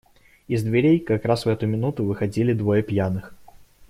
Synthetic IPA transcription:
ɪzd̪vʲɪɾʲejkɐkɾasvɛt̪ʊmʲɪnut̪ʊvɨxɐdʲilʲɪd̪vojəpjanɨx

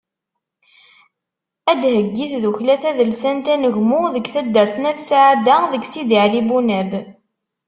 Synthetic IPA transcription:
æd̪həɡːiθðuçlæθæðəlsænt̪ænəʝmʊðəɡθæd̪ːəɾθənæθsʕad̪æðəɡsid̪iʕlibunæb

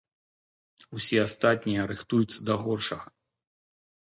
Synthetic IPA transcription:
usʲɛast̪at̪ʲnʲijɐɾɨxt̪ujut̪sːɐd̪ɐɣɔrʂɐɣɐ

